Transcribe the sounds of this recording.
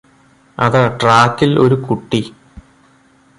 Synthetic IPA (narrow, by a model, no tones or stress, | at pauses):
ɐðɨʈraːkːilo̞̰ɾukuʈːi